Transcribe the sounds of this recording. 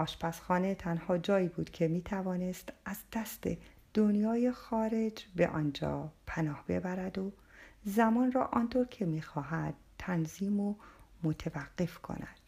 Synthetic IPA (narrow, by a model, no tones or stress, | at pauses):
ʔɒːʃpʰæsxɒːne̞t̪ʰænhɒːd͡ʒɒːiːbuːd̪kcʰe̞miːt̪ʰævɒːne̞st̪ʔæzd̪̥æst̪e̞̰ | d̪̥onjɒːjexɒːɾe̞d͡ʒbḛʔɒ̰ːnd͡ʒɒ̰ːpʰænɒːhb̥e̞̰bæɾæd̪o | zæmɒːnrɒ̰ːʔɒːnt̪ʰoɾcʰe̞miːxɒːɦæd̪̥̚t̪ʰːænziːmomot̪ʰevæɡːe̞fkʰo̞̰næ̰d̪̥